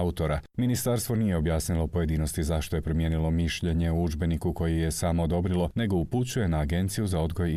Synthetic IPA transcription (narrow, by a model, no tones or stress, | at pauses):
ut̪o̞ɾaminist̪aɾst̪ʋo̞niːje̞o̞bjaːsnilˠo̞po̞je̞d̪iːno̞st̪izaʃt̪o̞je̞pɾo̞mje̞ːnilˠo̞miʃʎe̞ɲe̞uud͡ʒbe̞nikuko̞jije̞saːmo̞ːd̪o̞bɾilˠo̞ne̞ɡo̞uput͡ɕuje̞naːɡe̞nt̪sijuzao̞d̪ɡo̞j